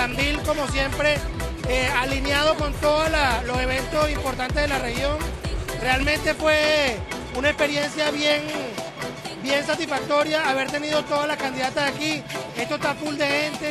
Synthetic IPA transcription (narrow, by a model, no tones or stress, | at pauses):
ambilko̞mo̞sje̞mpɾe̞ | ealinjað̞o̞ko̞nt̪o̞ðalalo̞se̞β̞e̞nt̪o̞simpo̞ɾt̪ant̪e̞zðelare̞xjo̞ŋre̞almẽnt̪e̞fwe̞ | unaekspe̞ɾje̞nsjaβje̞ŋ | bje̞ns̬at̪isfak̚t̪o̞ɾjaːβe̞ɾt̪e̞nið̞o̞t̪o̞ðalakand̪iðat̪aakiest̪ost̪apuld̪e̞ɣe̞nt̪e